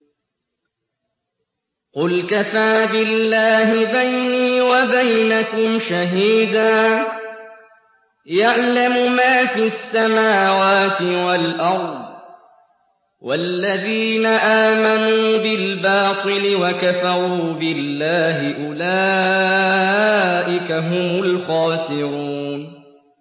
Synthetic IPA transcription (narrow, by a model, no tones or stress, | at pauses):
qʊlkafaːbɪlːaːhɪbajniːwabajnakʊmʃaɦiːd̪aː | jaʕlamʊmaːfiasːamaːwaːt̪ɪwalʔɑɾˤd̪̚ˤ | wa̰lːaðiːnaʔaːmanuːbɪlbɑːt̪ˤɨlɪwakafɑɾuuːbɪlːaːɦɪʔʊlaː | ʔɪkaɦʊmʊlxɑːsɪɾuːn